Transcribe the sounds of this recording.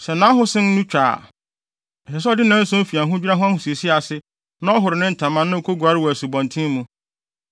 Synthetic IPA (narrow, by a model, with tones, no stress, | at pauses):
sɛ˨nã˨˦ɦʊ̃˦sɪ̃˦n˦nũ˦t͡ɕᶣa̰ː˨ | ɛ˨ɪ˨s̬ɔ˦dɪ˦nã˦n̩˦sʊ̃˦fi˨a˨ɦʊ̃˦d͡ʑᶣi˦ɾa˦ɦʊ̃˦a˦hʊ̃˨si˨e˨si˦a˨sɪ˦ | nã˦ɔ˦ɦʊ˨ɾɪ˨nɪ̃˦n̩˨tʰã˨mːã˦nːã˦o˨kʰo˦ɡu˨a˨ɾɪ˦wæ˨su˨bɔ̃˨ntʰĩ˦mũ˦